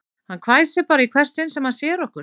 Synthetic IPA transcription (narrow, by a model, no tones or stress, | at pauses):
hankʰvaːjsɪpaːɾaikʰvɛr̥st̪ɪnsɛmhansjɛːɾɔhkʏɾ̥